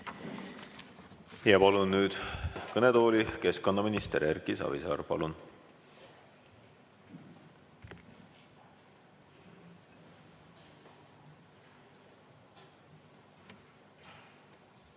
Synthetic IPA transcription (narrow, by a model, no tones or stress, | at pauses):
ijɑpɑlunːyːd̪̥kɤnet̪o̞ːlʲike̞sko̞nːɑminist̪eɾerkisɑ̰ːvisɑ̰ːɾpɑ̰lun